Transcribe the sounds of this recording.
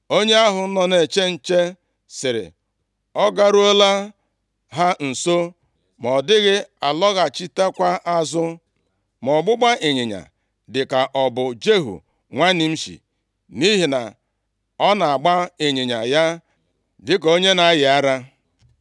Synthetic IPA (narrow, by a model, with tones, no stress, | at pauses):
o˦ɲe˦a˦ɦʊ˨˦nɔ˨ne˨t͡ʃe˦n̩˨t͡ʃe˦ | sɪ˨ɾɪ̰˨ | ɔ˦ɡa˦ɾu˦o˦la˦ | ɦa˦n̩˨so˦ | mɔ˨dɪ˦ɣɪ˦a˨lɔ˦ɣa˨t͡ʃi˦ta˦kʷa˦ʔa˦zʊ˦ | mɔ˨ɡ͡bʊ˦ɡ͡ba˦ʔe˨ɲɪ˨ɲa̰˨ | dɪ˨ka˨ʔɔ˨bʊ˨d͡ʒe˦ɦṵ˨ | ŋʷa˦nɪ˨m̩˦ʃḭ˨ | ni˦ɦi˨na̰˨ | ɔ˦na˨a˨ɡ͡ba˦e˨ɲɪ˨ɲa˨ja˦ | dɪ˦k̬o˦ɲe˦na˨˦jɪ˨a˦ɾa˦